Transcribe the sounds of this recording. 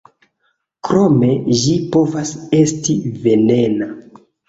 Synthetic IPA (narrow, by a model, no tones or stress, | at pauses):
kɾo̞me̞ʒipo̞vase̞stive̞ne̞na